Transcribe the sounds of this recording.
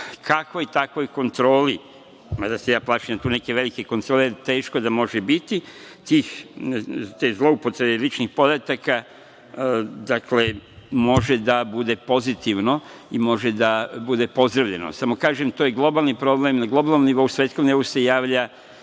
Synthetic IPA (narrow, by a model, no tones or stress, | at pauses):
kʰakojt̪akʋo̞jko̞nt̪ɾo̞ːli | mad̪asejaːplˠaːʃiamt̪uːne̞ke̞ʋe̞likeko̞nt̪ɾoːleeɾt̪e̞ːʃkod̪amo̞ʒebit̪i | t̪iːx | t̪ezlˠo̞upo̞t̪ɾe̞belit͡ʃnixpo̞d̪at̪aka | d̪akle̞mo̞ʒed̪abud̪e̞po̞zit̪iʋno̞imo̞ʒed̪abud̪e̞po̞zd̪ɾaʋʎe̞no̰samo̞kaːʒemt̪ojeɡlˠo̞balˠnipɾo̞blemnaɡlˠo̞balˠnomniʋo̞usʋet̪skomnio̞use̞jaːʋʎa